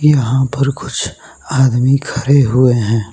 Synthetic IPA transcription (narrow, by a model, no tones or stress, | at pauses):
jɐɦãpɐɾkʊt͡ʃʰ | aːd̪mikʰɐɾeɦʊeɦɛ̃ː